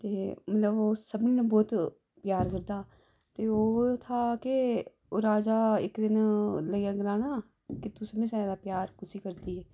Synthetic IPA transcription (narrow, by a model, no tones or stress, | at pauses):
t̪eːmət̪ləboːsəbniːnə̃bɔːt̪ | pjaːɾkəɾd̪aː | t̪eːoːt̪ʰaːke | oːɾaːd͡ʒaːɪkd̪ɪnləjaːɡɪɾaːnaː | kɪt̪usəbnẽːsɛ̃ːd̪aːpjaːɾkʊsiːkəɾd̪iːɦɛː